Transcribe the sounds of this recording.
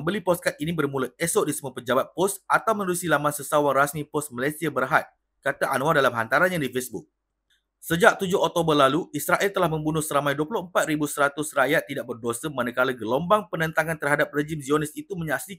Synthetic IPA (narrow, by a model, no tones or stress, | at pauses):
əmbəlipɔskat̪̚inibərmũləɛsɔʔ̚disəmuapəd͡ʒabat̪̚pɔsat̪awmənəlusilamansəsawaŋrasmĩpɔst̪̚malasiabərɦat̪̚ | kat̪aʔanw̃adalamɦant̪aɾanɲãdifesbuk̚ | səd͡ʒak̚t̪ud͡ʒʊɦɔk̚t̪obərlaluʔisɾaʔɛlt̪əlahmə̃mbunʊhsəɾamãjduəpulʊhəmpat̪̚ɾibusəɾat̪ʊsrajat̪ːidaʔ̚bərdosəmanəkaləɡəlombaŋpənə̃nt̪aŋant̪ərɦadap̚red͡ʒimzionisit̪umə̃ɲaksi